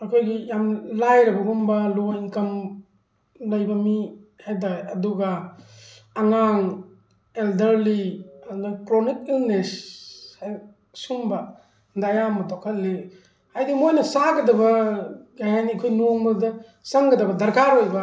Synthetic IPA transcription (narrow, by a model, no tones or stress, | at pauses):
ɐkʰojɡijamlajɾɐbɐɡumbɐlojŋkɐm | lɐjbɐmihajdajɐduɡaː | ŋaŋ | eldɐɾliɐddakɾonik̚ilnesaj | sumbɐ | dajamɐtʰɔkʰɐllːe | hajdimojnɐsaɡɐdɐbɐɡajaniɐkʰojnuŋbɐdɐ | saŋɡɐdɐbɐdɐɾkaɾojba